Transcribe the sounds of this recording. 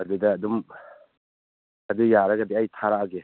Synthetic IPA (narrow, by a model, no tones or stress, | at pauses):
ɐdɯdɐːdum | adujaɾaɡadiajtʰaɾaaɡe